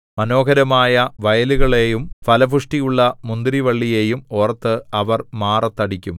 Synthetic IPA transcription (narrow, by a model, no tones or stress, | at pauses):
mɐno̞ːkɐɾɐmaːjɐʋɐjɐluɣɐɭe̞ːjumpɐlɐbʱuʂʈijuɭːɐmund̪iɾiʋɐɭːije̞ːjumoːrɐt̪ːɨɐʋɐrmaːrɐt̪ːɐɽikʲːum